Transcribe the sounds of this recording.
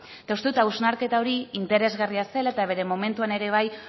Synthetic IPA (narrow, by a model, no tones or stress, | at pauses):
t̪aust̪ut̪awznaɾke̞t̪ao̞ɾiint̪e̞ɾe̞zɣariase̞laet̪aβ̞e̞ɾe̞mo̞me̞nt̪uane̞ɾe̞β̞aj